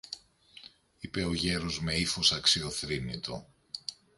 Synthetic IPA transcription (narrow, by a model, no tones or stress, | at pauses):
ipe̞o̞ʝe̞ɾo̞zme̞ifo̞sɐksio̞θɾinit̪o̞̰